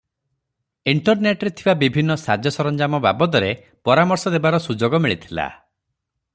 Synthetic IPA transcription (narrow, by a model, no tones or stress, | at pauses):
iɳʈɔɾneʈɔɾet̪ʰibabibʱinːɔsad͡ʒjɔsɔɾɔnd͡ʒamɔba̰bɔt̪ɔɾe | pɔɾamɔɾsɔd̪ebaɾɔsud͡ʒoɡɔmiɭit̪ʰila̰